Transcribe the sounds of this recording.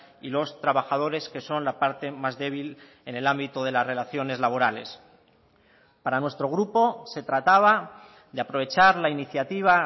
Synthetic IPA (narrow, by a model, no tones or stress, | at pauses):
ilo̞st̪ɾaβaxað̞o̞ɾe̞ske̞so̞nlapaɾt̪e̞mazðe̞β̞il | e̞ne̞lambit̪oð̞e̞lazre̞laθjo̞ne̞zlaβo̞ɾale̞̰s | paɾanwe̞st̪ɾo̞ɣ̞ɾupo̞se̞t̪ɾat̪aβ̞a | ðeapɾo̞β̞e̞t͡ʃaɾlainiθjat̪iβ̞a